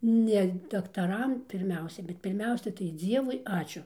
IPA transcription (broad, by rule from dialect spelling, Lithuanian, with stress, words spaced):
nʲɛ dɐktɐˈrɐm pʲɪrʲˈmʲɛʊsʲɛ bʲɛt pʲɪrʲˈmʲɛʊsʲɛ tɐɪ ˈd͡zʲiɛʋʊɪ ˈɑːt͡ʃʲʊ